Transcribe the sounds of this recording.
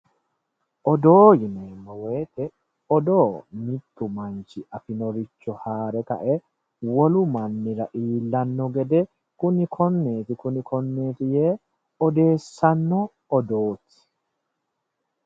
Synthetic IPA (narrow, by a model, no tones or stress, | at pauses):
ʔɔd̪oːjɪneːnːɔwe̞ːt̪ɛ | ɔd̪oːmɪt̪ːʊmɐnt͡ʃɪʔɐfɪnɔɾɪt͡ʃːɔhaːɾɛkɐ̰ʔɛ | wɔlʊmɐnːɪɾɐʔiːlːɐnːɔɡɛd̪ɛ | kʊnɪkʰɔnːeːt̪ɪkʊnɪkʰɔnːe̞ːt̪ɪjeː | ɔd̪e̞ːsːɐnːɔː | d̪oːt̪ɪ̥